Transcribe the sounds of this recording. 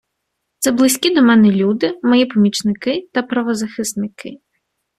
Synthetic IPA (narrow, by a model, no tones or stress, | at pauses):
t̪sɛblˠɪsʲkʲid̪ɔmɛnɛlʲud̪ɪmɔjipɔmʲit͡ʃnɪkɪt̪ɐpɾɐʋɔzɐxɪsnɪkɪ